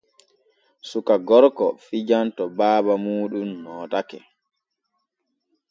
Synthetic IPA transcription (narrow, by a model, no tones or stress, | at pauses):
sukaɡɔɾkɔ̰fid͡ʒantɔbaːbamuːɗumːɔːtakɛ̰